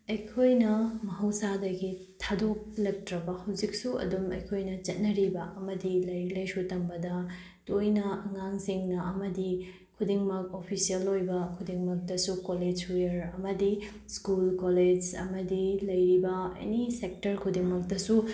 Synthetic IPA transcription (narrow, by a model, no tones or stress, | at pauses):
ɐjkʰojnɐmɐɦɐwsadɐɡi | tʰadok̚lɐk̚tɾɐbɐhɐwd͡ʒik̚suɐ̰dumɐ̰jkʰojnɐt͡ʃɐt̚nɐɾibɐɐmɐdilɐjɾilɐjsutɐmbɐdɐ | tojnɐɐŋaŋsiŋnɐɐmɐdi | kʰudiŋmɐk̚opʰisiɐlːojbɐkʰudiŋmɐk̚dɐsukoled͡ʒijɐɾɐmɐdi | skulkoled͡ʒɐ̰mɐdilɐjɾibɐɐ̰nisek̚tɐɾkʰudiŋmɐk̚dɐsu